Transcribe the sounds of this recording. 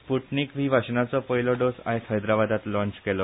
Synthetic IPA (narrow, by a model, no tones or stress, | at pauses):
puʈniːkʋiːʋʱaɕnat͡sɔpəɦilɔɖosa̰ɦet̪ɦəjd̪ɾaʋad̪ʱat̪lɔ̃ɲt͡ɕkelɔ